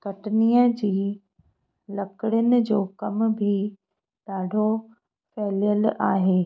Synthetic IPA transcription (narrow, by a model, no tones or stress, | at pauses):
kɐʈniːəd͡ʑiː | lɐkəɽɪjʊnɪ̆d͡ʑoːkɐmbʱi | ɗaːɖʱo | fɛːljəlaːɦeː